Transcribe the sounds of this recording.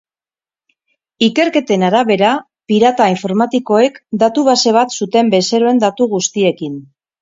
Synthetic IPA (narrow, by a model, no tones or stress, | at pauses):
ike̞ɾke̞t̪e̞naɾaβe̞ɾa | piɾat̪aiɱfo̞ɾmat̪iko̞e̞kd̪at̪uβ̞ase̞βat̪sut̪e̞mbe̞se̞ɾoe̞nd̪at̪uɣust̪ie̞kin